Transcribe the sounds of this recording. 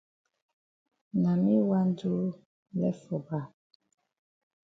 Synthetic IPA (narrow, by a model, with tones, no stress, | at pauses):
na˨mi˦wa˦n˦du˦ | lɛ˦fɔ˨ba˦˨